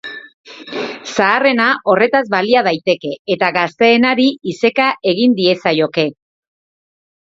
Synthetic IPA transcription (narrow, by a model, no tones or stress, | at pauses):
saːre̞naʔo̞re̞t̪azβaliað̞ajt̪e̞ke̞ːt̪aɣast̪e̞ːnaɾiise̞kaʔe̞ɣ̞ind̪ie̞sajo̞ke̞